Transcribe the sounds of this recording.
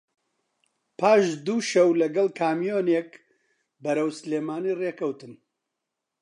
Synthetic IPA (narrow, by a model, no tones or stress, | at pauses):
pʰaːʃd̪uːʃɐwlɐɡɐlˠkʰaːmijoːnek | bɐɾɐwsleːmaːniːreːkɐwt̪ɨn